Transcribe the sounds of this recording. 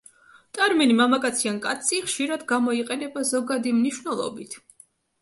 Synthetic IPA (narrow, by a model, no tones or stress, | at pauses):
t̪ʼaɾmɛnimamakʼat̪sʰiankʼat̪sʰiχʃiɾad̪ɡamɔiqʼɛnɛbazɔɡad̪imniʃwnɛlˠɔ̰bit̪ʰ